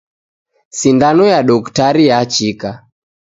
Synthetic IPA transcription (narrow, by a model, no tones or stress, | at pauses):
sindanɔjaɗɔktaɾijat͡ʃika